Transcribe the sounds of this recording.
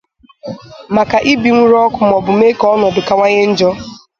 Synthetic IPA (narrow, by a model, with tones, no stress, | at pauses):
ma˨ka˨ʔi˦bi˨ŋʷu˦ɾɔ˦kʷʊ˨m̩˨ɔ˨bʊ˨m˦e˦kɔ˦ɔ˦nɔ˨dʊ˨ka˨ŋʷa˦ɲe˦n̩˦d͡ʒɔ˦